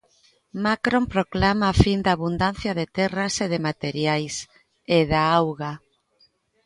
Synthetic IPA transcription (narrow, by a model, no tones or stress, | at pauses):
makɾompɾoklamaːfind̪aβund̪anθjaðet̪ɛraseðemat̪eɾjajs | eðaawɣa